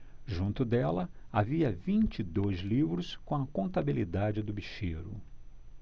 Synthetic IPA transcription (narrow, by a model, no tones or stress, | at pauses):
ʒũnt̪ʊd̪ɛlɐaviɐvĩnt͡ʃɪd̪ojzlivɾʊskõɐkõnt̪abilid̪ad͡ʒɪd̪ʊbiʃeɾʊ̰